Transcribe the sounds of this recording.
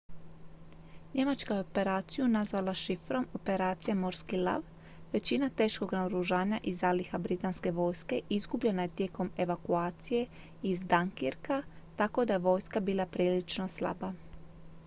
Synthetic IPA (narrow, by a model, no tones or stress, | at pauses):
ɲe̞mat͡ʃkaope̞ɾaːt̪sijunazʋalaʃifɾo̞mo̞pe̞ɾaːt̪sijamo̞ɾskilˠa̰ʋ | ʋe̞t͡ɕinat̪e̞ːʃko̞ɡnaoɾuʒaːɲaʔizalixabɾit̪anske̞ʋo̞ːjske̞ʔizɡubʎe̞naje̞t̪je̞ko̞me̞ʋakuaːt̪sije̞ | izd̪aŋkiɾka | t̪ako̞d̪aje̞ʋo̞ːjskabiːlˠapɾiːlit͡ʃno̞slˠa̰ba